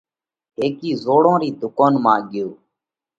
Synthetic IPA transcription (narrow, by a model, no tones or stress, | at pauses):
ɦeːkiːzoːɽõːɾiːd̪ʊkaːnmãːɠɪjoː